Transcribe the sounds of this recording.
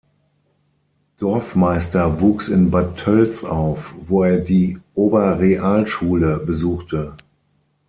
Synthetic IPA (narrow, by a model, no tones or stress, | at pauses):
d̥ɔɐfmaɪstɐvuːksɪnbatʰœlt͡saʊfvoːeːɐdiːʔoːbɐʁeʔaːlʃuːləbəzuːxtʰə